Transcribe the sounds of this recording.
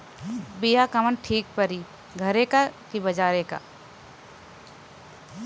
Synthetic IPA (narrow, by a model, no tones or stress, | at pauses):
bijakɐmənʈʰiːk̚pɐɾiː | ɡʱɐɾekakibɐd͡ʒaːɾeka̰